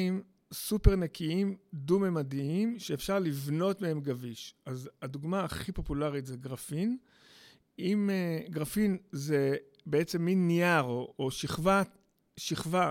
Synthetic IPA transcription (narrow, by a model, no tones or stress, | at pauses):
im | supe̞ʁnekʰiimdumemadiimʃeːfʃaʁlivno̞tmehe̞mɡaviʃazad̪uɡmaːχipo̞pulaʁit̪zeɡʁafin | imeɡʁafinze | beet͡semːinːiaʁoʔoʃiχva | ʃiχva